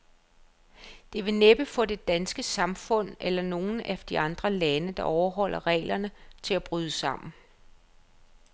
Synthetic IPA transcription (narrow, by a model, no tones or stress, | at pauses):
d̥e̝ʋe̝neb̥əfɒ̽d̥e̝d̥ænsɡ̥əsɑ̈mfɔ̽n̰elɐno̝ːn̩æd̥iɑ̈nd̥ʁɐlænəd̥ɑ̈ʔɒʊɐɦɒ̽l̰ʔɐʁɛ̰ːlɐnət͡sʰe̝læb̥ʁyːðˠəsɑ̈m̰n̩